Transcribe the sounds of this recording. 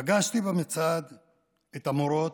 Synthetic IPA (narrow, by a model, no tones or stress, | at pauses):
ɡaʃt̪ibemit͡sad̪ | et̪amoɾo̞t